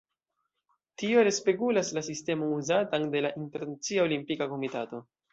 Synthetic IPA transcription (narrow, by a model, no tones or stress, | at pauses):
tio̞ɾe̞spe̞kulaslasiste̞mo̞ŋuzatande̞laʔinte̞ɾnat͡siao̞limpikako̞mitato̞